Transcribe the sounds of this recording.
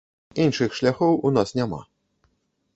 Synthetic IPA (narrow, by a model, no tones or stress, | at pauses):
inʂɨxʂlʲaxɔwunasnʲama̰